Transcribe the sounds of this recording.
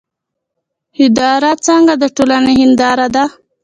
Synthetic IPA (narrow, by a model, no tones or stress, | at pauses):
hɪd̪ɑɾat͡saŋɡad̪əʈolaneɦɪnd̪ɑɾad̪a